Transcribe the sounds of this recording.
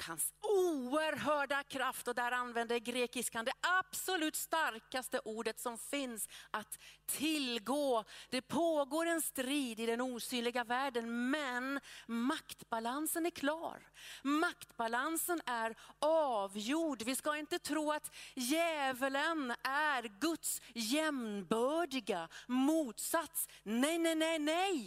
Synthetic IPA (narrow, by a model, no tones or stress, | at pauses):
hansuəɾɦœːɖakʰɾaft̪ɔd̪æːɾanːvɛnd̪əɡɾeːkɪskand̪ɛʔab̥sɔlʉ̟ːt̪st̪aɾkast̪əʔuːɖət̪sɔmfɪnsʔat̪ʰːɪlɡoːd̪̥ɛpʰoːɡoːɾɛnst̪ɾiːd̪ɪd̪ɛnuːsyːnlɪɡavæːɖənmɛnmakt̪balansənæɾkʰlɑ̰ːɾmakt̪balansənæɾɑːvjuːɖvɪskaɪnt̪ət̪ʰɾuːat̪jɛːvələnæɾɡɵt̪sjɛmnbœːɖɪɡamuːt̪sat̪snɛjnɛnɛjnɛj